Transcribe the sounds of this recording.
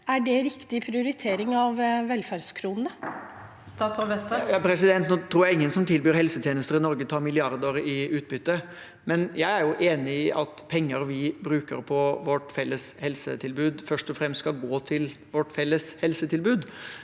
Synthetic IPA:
æɖɛɾɪkt̪ɪpʰɾɪʊɾɪt̪ʰeːɾɪŋɑʋʋɛlfæɖskʰɾuːnnə | st̪ɑːt̪sɔʋɛsəjɑpʰɾɛsɪd̪ɛnt̪noːt̪ʰɾuːɾjæɪɪŋːənsɔmt̪ʰɪlbyːɾhɛlsət̪ʰjeːnəst̪əɾɪnɔɾɡət̪ʰɑːmɪlɪɑɾd̪əɾɪʉːt̪̚bʏt̪ːə | mɛnjæɪæɾjʊʔeːnɪɪʔɑt̪pʰɛŋːəɾʋɪbɾʉːkə̰ɾpʰɔʋɔʈfɛlːəshɛlsə̰t̪ʰɪlbʉːd̪fœʂʈɔfɾɛmst̪skɑlɡoːt̪ʰɪl | ʋɔʈːfɛlːəshɛlsət̪ʰɪlbʉːd̪

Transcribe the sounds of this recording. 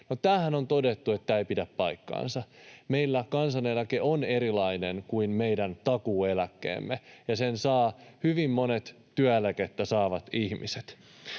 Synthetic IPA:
not̪æːhænont̪odet̪ːuet̪ːæeipidæppɑijkːɑ̰ːnsɑmeilːækɑnsɑnelækeʔoneɾilɑinenkuinmeidænt̪ɑkuːelækːḛːmːejɑsensɑːhyʋimːonet̪ | tyæelæket̪ːæsɑːʋɑt̪ihmḭset̪

